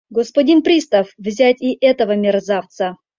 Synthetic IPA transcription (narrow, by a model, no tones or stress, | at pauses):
ɡospɐdʲinpɾʲist̪əfvzʲætʲiʔɛt̪əvəmʲɪrzaft̪sə